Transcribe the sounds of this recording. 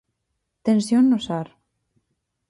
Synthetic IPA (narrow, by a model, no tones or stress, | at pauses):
t̪ensjonːosaɾ